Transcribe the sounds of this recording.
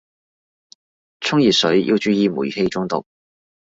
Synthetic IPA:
t͡sʰʊ˥ŋjiː˨t̚sɵ˨˥ɥjḭ˧wt͡ʃyː˧jiː˧mṵː˨˩jhe˧jt͡sʊ˥ŋt̪ʊ̰˨k̚

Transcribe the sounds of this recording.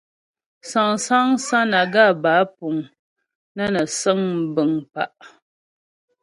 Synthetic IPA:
sa˨ŋsa˦ŋsa˦na˨ɡa˦˨baː˨˦pu˨ŋ | na˦na˨sə˦ŋbɨ˨ŋpa̰˦˨ʔ

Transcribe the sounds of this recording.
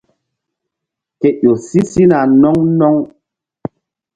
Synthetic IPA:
ke˨ɗo˨si˦si˦na˨nɔ˦ŋnɔ˦ŋ

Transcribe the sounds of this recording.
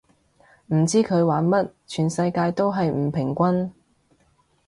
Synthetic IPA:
m̩˨˩t͡siː˥kʰɵ˨˧ɥwaː˨˥nmɐ˥t̚t͡ʃʰyː˨˩nsɐ˧jkaː˧jt̪o˥wɦɐ˨jm̩˨˩pʰɪ˨˩ŋkʷɐ˥n

